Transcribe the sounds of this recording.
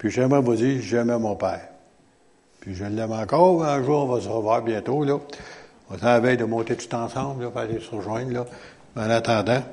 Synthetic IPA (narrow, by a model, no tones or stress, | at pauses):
pɥiʒɛmʁɛvud͡ziːʒɛmɛmɔ̃ːpɛːʁ | pɥiʒəlːɛmɑ̃ːkɔːʁmɛə̃ʒuːʁɔ̃vɔsəʁəvwaːʁbjɛ̃ːt̪olɔ | ɔ̃ːsaːvɛjd̪əmɔ̃ːt̪et̪u̥t̪ãːsãblɔfalesəʁəʒwɛ̃nlɔ | mãːnat̪ãːd̪ã